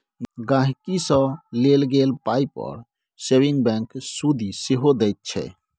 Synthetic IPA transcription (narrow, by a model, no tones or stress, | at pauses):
ɡãɦkisə̃lelɡelpaipə̰ɾ | sewiŋɡbɛ̃ŋksud̪ʱiseɦod̪ɛjt̪̚t͡ʃʰɛ̰